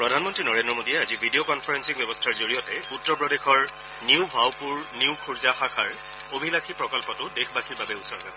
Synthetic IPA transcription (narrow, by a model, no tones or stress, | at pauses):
pɹɔdʱanmɔntɹinɔɹendɹɔmodiɛazibʱidiokɔnpʰaɹɛnsikbjɛbɔstʰaɹzoɹijɔtɛutːɔɹpɹɔdexɔɹ | niwbʱawpuɹniwkʰuɹzaxakʰaɹ | obʱilakʰipɹɔkɔlpɔtʊdexʰbaxʰiɹbabɛusɔɹbɛbɔ